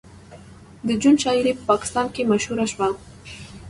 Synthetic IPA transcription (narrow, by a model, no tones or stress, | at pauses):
d̪əd͡ʒunʃɑiɾepə̥pɑkɪ̥st̪ɑnkemaʃhuɾaʃwa